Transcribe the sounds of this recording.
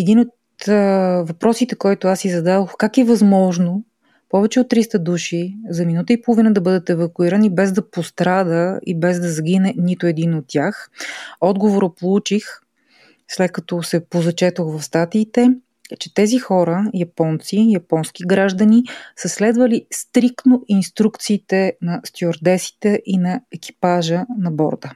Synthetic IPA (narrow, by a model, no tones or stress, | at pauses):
ɛd̪inot̪ | vɐpɾɔsit̪ɛkɔjt̪ʊasizɐd̪ad̪oxkakɛvɐzmɔʒno | pɔvɛt͡ʃɛot̪ːɾist̪əd̪uʃizɐminut̪əipolˠovinəd̪ɐbɤd̪ət̪ɛvɐkuiɾənibɛzd̪ɐpost̪ɾad̪əḭbɛzd̪ɐzɐɡ̟inɛnit̪ʊɛd̪inot̪ːʲjaxɔd̪ɡovoɾəpolˠut͡ʃix | slɛt̪̚kɐt̪ɔsɛpozɐt͡ʃɛt̪oxvɐfst̪at̪iːt̪ɛ | t͡ʃɛt̪ɛzixɔɾəjɐpɔnt̪sijɐpɔnskʲiɡɾaʒd̪ənisəslɛd̪vəlist̪ɾik̚t̪noinst̪ɾukt̪siːt̪ɛnɐst̪ʲioɾd̪ɛsi̥t̪ɛʔinɐɛkʲi̥paʒənɐbɔ̰ɾd̪ə